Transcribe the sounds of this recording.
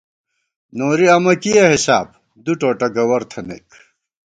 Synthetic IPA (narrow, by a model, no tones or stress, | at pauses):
noːɾiɐmɐkijɐhisaːb̚ | d̪uʈoːʈɐɡɐwɐɾt̪ʰɐnḛk